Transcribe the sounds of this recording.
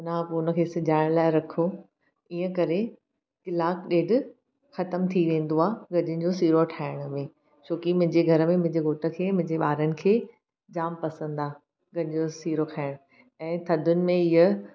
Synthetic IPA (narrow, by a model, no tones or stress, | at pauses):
naːpuʊnə̆kʰeːsɪd͡ʑʱaːɪɽ̃laːɪɾɐkʰo | iːə̃kɐɾe | kɪlaːkɗeːɖʱ | xɐt̪əmt̪ʰiʋẽːn̆d̪oaːɡɐd͡ʑɪn̆d͡ʑosiːɾoʈʰaːɪɽ̃ʊmẽ | t͡ɕʰoːkimɐ̃ɦɪ̃ɲd͡ʑeɡʱɐɾəmẽmɪ̃ɦɪ̃ɲd͡ʑeɡoːʈə̆kʰeːmɐ̃ɦɪ̃ɲd͡ʑeɓaːɾənɪ̆kʰeː | d͡ʑaːmpɐsə̃n̆d̪aː | ɡɐñɪd͡ʑosiːɾokʰaːɪɽ̃ | ɛ̃ːt̪ʰɐd̪ʱʊnɪ̆mẽɪə